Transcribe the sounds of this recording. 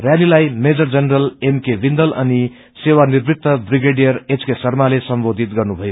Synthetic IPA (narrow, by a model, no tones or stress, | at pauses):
rjalilajmed͡zʌrd͡zʌnrʌlemkebʱind̪ʌlʌ̰ni | sewanirbit̪ʰʌbriɡeɖijʌret͡skesʌrmalesʌmbod̪ʱit̪ɡʌrnubʱʌjo